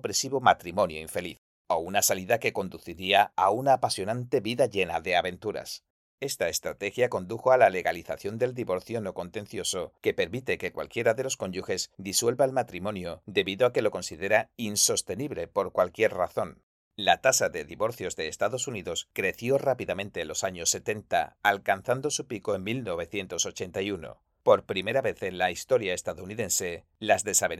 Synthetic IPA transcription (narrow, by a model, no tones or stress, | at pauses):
pɾe̞siβo̞mat̪ɾimõ̞njoiɱfe̞liθ | ounasaliðake̞ko̞nd̪uθiɾiaaunaːpasjo̞nãnt̪e̞βiðaʝe̞naðe̞aβe̞nt̪uɾa̰s | e̞st̪ae̞st̪ɾat̪e̞xjako̞nd̪uxo̞alale̞ɣaliθaθjo̞nd̪e̞ld̪iβo̞ɾθjo̞no̞ko̞nt̪e̞nθjo̞so̞ke̞pe̞ɾmit̪eke̞kwa̰lkjeɾaðe̞lo̞sko̞ɲɟuxe̞zd̪iswe̞lβaelmat̪ɾimõ̞njo̞d̪e̞βiðoake̞lo̞ko̞nsiðe̞ɾainso̞st̪e̞niβle̞po̞ɾkwalkje̞ɾraθo̞n | lat̪asaðe̞ðiβo̞ɾθjo̞zðe̞ːst̪aðo̞suniðo̞skɾe̞θjo̞rapiðamẽ̞nt̪e̞ːlo̞saɲo̞sːe̞t̪e̞nt̪a̰alkanθand̪o̞supiko̞e̞ŋmilno̞β̞e̞θje̞nt̪o̞so̞t͡ʃe̞nt̪ajuno̞̰ | po̞ɾpɾime̞ɾaβe̞θe̞nlaist̪o̞ɾjae̞st̪aðouniðe̞nse̞ | lazðe̞saβe